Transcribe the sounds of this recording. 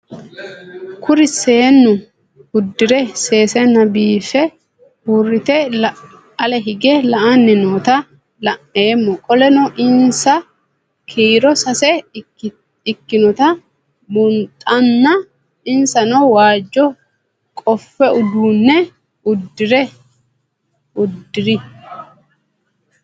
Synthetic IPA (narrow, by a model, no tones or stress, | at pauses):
kʰʊɾɪseːnːʊ | ʊd̪ːɪɾɛse̞ːsɛnɐbiːfɛ | huːrːɪt̪ɛl | ɐlɛɦɪɡɛlɐʔɐnːɛnoːt̪ɐ | lɐʔeːmːɔkʼɔlɛnɔʔɪnsɐ | kʰiːɾɔsɐsɛ | ɪkːɪnɔt̪ɐ | bʊnt̪ʼɐnːɐ | ɪnsɐnɔwaːd͡ʒːɔ | kʼɔfːɛʊd̪uːnːɛ | ʊd̪ːɪɾɛ | ʊd̪ːɪɾɪ